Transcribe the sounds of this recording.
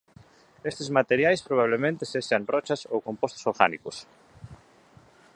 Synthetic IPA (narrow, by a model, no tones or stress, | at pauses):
est̪ezmat̪eɾjajspɾoβ̞aβ̞lemẽnt̪eseʃanrɔt͡ʃasowkompost̪o̥soɾɣa̰nikʊs